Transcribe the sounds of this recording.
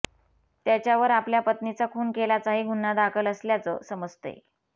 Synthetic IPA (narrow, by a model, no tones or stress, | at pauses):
t̪jat͡ɕjaʋəɾapljapət̪nit͡sakʰuːnkelat͡saɦiːɡʱunːad̪akʰələsljat͡sə̰ːsəməd͡zt̪ḛ